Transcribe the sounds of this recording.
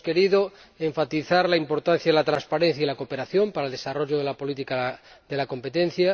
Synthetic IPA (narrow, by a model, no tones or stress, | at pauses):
ke̞ɾiðo | eɱfat̪iθaɾlaimpo̞ɾt̪an̟θjaðelat̪ɾanspaɾen̟θjailako̞pe̞ɾaθjo̞mpaɾaeld̪e̞saroʝoðelapo̞lit̪ika | ðelako̞mpe̞t̪ẽn̟θja